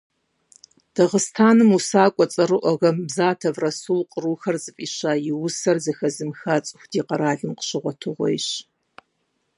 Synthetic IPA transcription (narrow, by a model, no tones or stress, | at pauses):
d̥ɐʁəstʰaːnɨmusaːkʷʼɔt͡sʼɐrɨʔɐɣɐmbzaːtʰɐvrɐsulqʼəruːxɐrzɨfʼiːɕaːjɪwʊsɐrzɐxɐzɨmxaːt͡sʼɨxʷdiːqɐɾaːɮɨmqə̥ɕɪʁʷɔtʰɨʁʷɔ̰jɪɕ